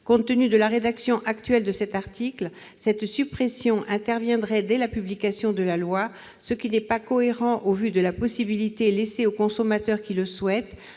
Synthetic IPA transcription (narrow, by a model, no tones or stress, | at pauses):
kɔ̃t̪ːənyd̪əlaʁed̪aksjɔ̃ʔakt̪ɥɛld̪əsɛt̪aʁt̪ikl | sɛt̪sypχɛsjɔ̃ʔɛ̃t̪ɛʁvjɛ̃d̪ʁɛd̪ɛlapyblikasjɔ̃d̪əlalwa | səkʲinɛpakɔeʁɑ̃ʔovyd̪əlapɔsibilit̪eleseokɔ̃sɔmat̪œʁkʲiləswɛt̪